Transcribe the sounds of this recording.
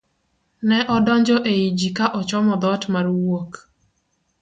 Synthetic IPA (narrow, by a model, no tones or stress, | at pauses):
nɛʔɔdɔɲd͡ʒɔʔeid͡ʒikaʔɔt͡ʃɔmɔd̪ɔtmarwok